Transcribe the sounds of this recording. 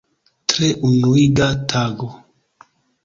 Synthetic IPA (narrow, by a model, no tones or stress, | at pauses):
tɾeʔunuiɡatʰaɡo